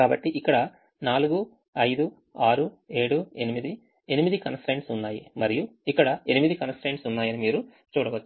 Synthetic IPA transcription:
kaːbɐʈːiʔikːɐɽɐ | naːluɡu | ɐjd̪u | aːɾu | e̞ːɽue̞nimid̪i | e̞nimid̪ikɐnsʈɾeːɳʈsunːaːjimɐɾijuikːɐɽɐenimid̪ikɐnsʈɾeːɳʈsunːaːjɐnimiːɾu | t͡ʃuːɽɐʋɐt͡ʃː

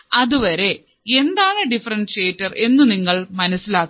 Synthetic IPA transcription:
ɐðuʋɐɾe̞ | e̞nd̪aːɳɨɖifɐrɐnʂeːtːɐre̞nːuniŋːɐɭmɐnɐsːilaːkː

